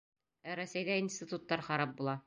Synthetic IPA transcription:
æɾæsæjd̪æinsʲt̪ʲit̪ut̪ːɑɾχɑɾɑp̚bulˠɑ

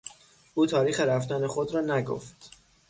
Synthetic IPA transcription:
ʔuːt̪ʰɒːɾiːxeɾæft̪ænexod̪ɾɒːnæɡo̰ft̪

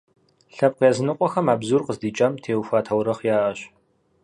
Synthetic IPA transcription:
ɬɐp̚qjɛːzɨnɨqʷʼɔxɐmaːbzuːrqəzdiːt͡ʃʼɐmtʰeːwfʷaːtʰɐwɾɐχjaːʔɐɕ

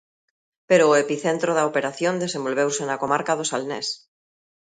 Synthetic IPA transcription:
peɾoːepiθent̪ɾoðaopeɾaθjõnd̪esembo̞lβ̞ewsenakomaɾkaðosalnes

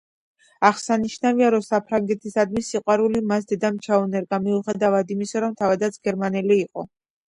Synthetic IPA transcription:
aχsaniʃnaviaɾɔsapʰɾaŋɡɛt̪ʰisad̪misiqʼwaɾulimasd̪ɛd̪amt͡ʃʰaɔnɛɾɡamiuχɛd̪avad̪imisaɾɔmt̪ʰavad̪at̪sʰɡ̥ɛɾmanɛliːqʼɔ̰

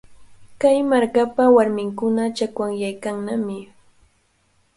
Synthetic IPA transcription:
kajmaɾkapawaɾmɪŋkʊnat͡ʃakwaŋjajkaŋnamɪ

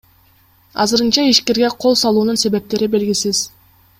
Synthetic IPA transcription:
ɑ̰zɯɾɯnt͡ʃɑiʃke̞ɾɡeqʰo̞lˠsɑlˠuːnunse̞βe̞p̚t̪e̞ɾibe̞lɡʲisiz̥

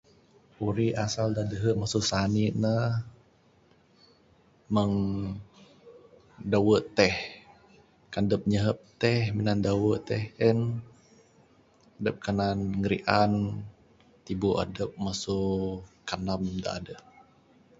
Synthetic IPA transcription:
ʔuɾiasaldadəɦəʔmasusaniʔnəh | məŋ | dawəʔt̪ɛh | kandəp̚ɲəɦəp̚t̪ɛhminandawəʔt̪ɛhən | adəp̚kananŋəɾḭʔan | t̪ibuʔa̰dəp̚masukanam̚əmda̰ʔadə

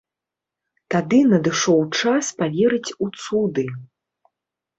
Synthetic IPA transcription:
t̪ad̪ɨnɐd̪ɨʂɔwt͡ʂaspavʲɛɾɨt͡sʲut̪sud̪ɨ

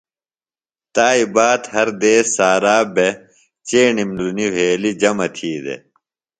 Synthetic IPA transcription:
t̪aːibaːt̪hɐɾd̪eːsaːɾaːbe | t͡ɕeːnimluniɦeːlid͡ʑɐmɐt̪ʰiːd̪ḛ

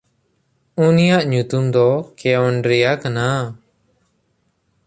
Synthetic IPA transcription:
unijaʔɲut̪umd̪ɔkɛɔɳɖɾɛjakana

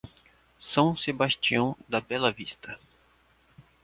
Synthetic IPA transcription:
sɐ̃w̃sebast͡ʃiɐ̃w̃d̪ɐbɛlɐvist̪ʰɐ

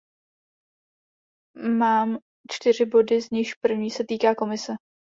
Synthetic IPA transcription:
maːm | t͡ʃt̪ɪr̝ɪbo̞dɪzɲɪʃpr̩vɲiːsɛt̪iːkaːko̞mɪsɛ

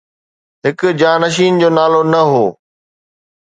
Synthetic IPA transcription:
ɦɪkʊ̆d͡ʑaːnəʃ̬iːnd͡ʑoːnaːlonɐɦoː

